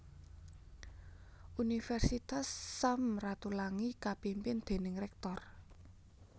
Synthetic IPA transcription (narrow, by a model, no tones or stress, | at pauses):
unifɛrsit̪asːamrat̪ulaŋikapimpɪnd̪̥e̤nɪŋrɛk̚t̪ɔr